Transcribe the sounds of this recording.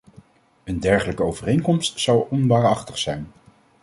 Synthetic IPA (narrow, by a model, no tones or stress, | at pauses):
əndɛɹχələkəowvərejnkɔmstsɑwʔɔnʋaːɹɑχtəχsɛjn